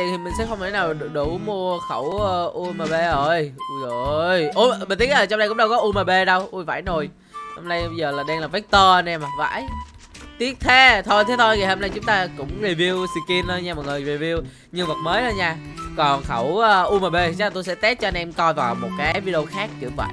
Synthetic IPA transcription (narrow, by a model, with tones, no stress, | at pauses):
ḭ˧˨t̪ʰi˨˩mï˨˩ŋ̟sɛ̰˧˥xə˧ŋ͡mt̪ʰa˨˦naː˨˩wɗu˧˩mu˧əxə˧˩wə˧ʔu˧maː˨˩ɓe˧ʔəː˧˩jzo˨jʔo˧mi˨˩t̪i˦ə˥t̚aː˨˩t͡ɕwŋ͡mɗa˧jkʊ̰˧˥ŋ͡mɗə˧wkɔ˨˦ʔu˧maː˨˩ɓe˧ɗə˧wʔu˧va̰ː˧˩jno˨˩j | ho˧mna˧jɓə˧jzəː˨˩laː˨˩ɗɛ˧nlaː˨˩vɛ˦˥k̚t̪əː˧ʔə˧nʔɛ˧maː˨˩va̰ː˧˥˨j | t̪i˦˥ət̚t̪ʰe˨˦t̪ʰo˧jt̪ʰe˨˦t̪ʰo˧jɣi˨˩ho˧mna˧jt͡ɕʊ˨˦ŋ͡mt̪aː˧kʊ̰˧˥ŋ͡mzi˨˧˩vi˧əwsi˧ki˧nɗə˧ɲaː˧mɔ˨˩t̚ŋɨ˨˩jvi˨˩vi˧əw | ɲɨ˧ŋvə˨˩t̚məː˨˦jɗə˧ɲaː˧kɔ˨˩nxə˧˩wəː˧ʔu˧maː˨˩ɓe˧˨˧a˨˩t̪o˧jsɛ̰˧˥t̪ɛ˦˥t̚t͡ɕɔ˧nʔɛ˧mkɔ˧jvaː˨˩wmo˨˩t̚kaː˨˦jvi˦ɗə˧o˧xaː˦˥k̚t͡ɕɨ̰˧˩və̰˧˨j